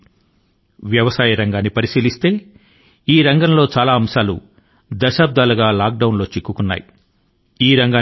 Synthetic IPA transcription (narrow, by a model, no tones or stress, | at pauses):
ʋjɐʋɐsaːjɐɾɐŋɡaːnːipɐɾisiːlist̪e̞ː | iːɾɐŋɡɐmlo̞ːt͡ʃaːlaːɐmsaːlṵ | d̪ɐʃaːb̚d̪aːluɡaːlaːk̚ɖɐwnlo̞ːt͡ʃikːukunːa̰ːji | iːɾɐŋɡaː